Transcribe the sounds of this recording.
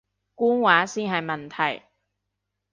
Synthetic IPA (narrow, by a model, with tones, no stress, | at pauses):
kuː˥nwaː˨˥siː˥nɦɐ˨jmɐ˨nt̪ʰɐ˨˩j